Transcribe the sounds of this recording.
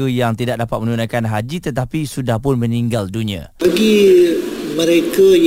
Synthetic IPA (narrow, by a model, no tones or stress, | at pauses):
əjaŋt̪idak̚dapat̪̚mə̃nunakanɦad͡ʒit̪ət̪apisudahpʊnmə̃niŋɡaldunĩa̰baɡi | mə̃ɾekaj